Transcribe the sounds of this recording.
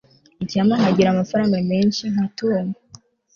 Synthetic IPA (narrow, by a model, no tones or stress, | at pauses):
icaːmaŋhaɟiɾamafaɾaːŋɡameːnʃiŋ̥hatune